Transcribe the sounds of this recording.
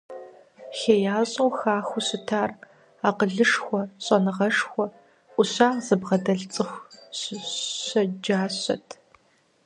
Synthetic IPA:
xeːjaːɕʼɨwxaːxʷʊɕɪtʰaːr | aːqəɮɨʂxʷɔɕʼɐnɨʁɐʂxʷɔ | ʔʷʊɕaːzɨbʁɐdɐɮt͡sʼɨxʷɕɕɐd͡ʒaːɕɐ̰tʰ

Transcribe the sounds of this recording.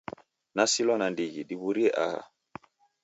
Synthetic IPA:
nasilɔnandiɣiɗiβuɾiɛʔaha̰

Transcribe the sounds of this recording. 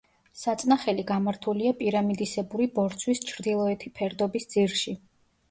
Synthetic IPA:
sat̪sʼnaχɛliɡamaɾt̪ʰuliapʼiɾamid̪isɛbuɾibɔɾt̪sʰwist͡ʃʰɾd̪ilˠɔɛt̪ʰipʰɛɾd̪ɔbisd̪ziɾʃi

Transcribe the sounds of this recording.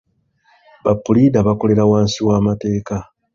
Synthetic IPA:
βapːulidaβako̞le̞ɾawaːnsiwaːmate̞ːka

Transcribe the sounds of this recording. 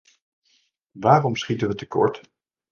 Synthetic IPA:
ʋaːrɔmsχitəʋətəkɔ̰ɹt

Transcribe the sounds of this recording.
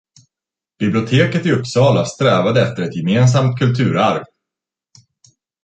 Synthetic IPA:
b̥ɪblɪʊt̪ʰeːkət̪ɪɵpːsɑːlast̪ɾɛːvad̪əɛft̪əɾɛt̪jɛmeːns̬amt̪̚kʰɵlt̪ʰʉ̟ːɾaɾv

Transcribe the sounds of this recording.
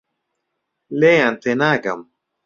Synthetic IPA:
leant̪enaɡam

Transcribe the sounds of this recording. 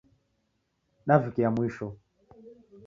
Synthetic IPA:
ɗavikɛjamwiʃɔ

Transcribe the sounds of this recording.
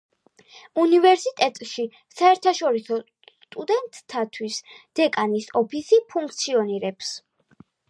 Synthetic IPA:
univɛɾsit̪ʼɛt̪ʼʃi | saɛɾt̪ʰaʃɔɾisɔ | sst̪ʼud̪ɛnt̪ʼʰːat̪ʰwisd̪̥ɛkʼanisɔpʰisipʰuŋk̚ʰt̪sʰiɔniɾɛps

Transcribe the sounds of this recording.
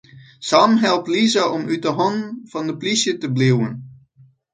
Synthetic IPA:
samɦɛlˠp̚tlizaʔɔmyt̚dəɦɔnv̥ɑndəplisjətəbliwən

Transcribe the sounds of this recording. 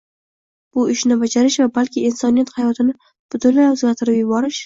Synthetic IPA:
b̥ʊɪʃnɪbad͡ʒaɾɪʃvabalkʲɪːnsɒnijat̪hajɒt̪ʰɪnɪ | b̥ʊt̪ʰʊnlːajɵzɡʲaɾt̪ʰɪɾɪpjʊbɒɾɪʃ

